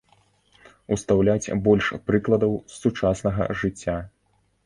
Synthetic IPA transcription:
ust̪awlʲat͡sʲbɔlʲʂpɾɨklˠɐd̪ɐwssut͡ʂasnɐɣɐ̰ʐɨt͡sʲːa

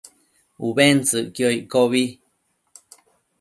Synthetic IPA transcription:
uβent͡sɨʔkjoiʔkoβi

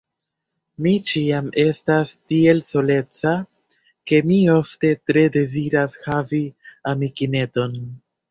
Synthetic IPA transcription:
mit͡ʃiame̞stastie̞lso̞le̞t͡sa | ke̞mio̞fte̞tɾe̞de̞ziɾashaviamikine̞to̞n

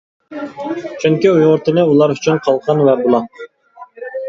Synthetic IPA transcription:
t͡ʃʰyŋkʲiujʊɾt̪ɨnɨulˠɑɾyt͡ʃʰynqʰɑlˠqɑnwɛbolˠɑ

